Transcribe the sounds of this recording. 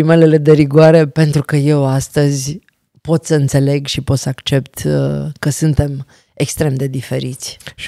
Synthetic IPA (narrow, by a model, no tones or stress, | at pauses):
ime̞le̞le̞d̪e̞ɾiɡoaɾe̞pe̞nt̪ɾukəje̞wast̪əzʲ | po̞t̪səɨnt̪se̞le̞ɡʃipo̞t̪səakt͡ʃe̞pt̪kəsɨnt̪e̞m | ekst̪ɾe̞md̪e̞d̪ife̞̰ɾit̪sʲ